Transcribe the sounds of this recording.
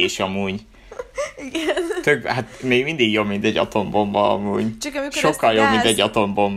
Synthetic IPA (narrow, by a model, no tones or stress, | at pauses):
eːʃɒmuːɟ | t̪øɡhat̪meːɡmind̪iɡjobmint̪ɛɟːɒ̰t̪o̞mbombɒɒ̰muːɟʃokːɒljobmint̪ɛɟːɒt̪o̞mbo̞mb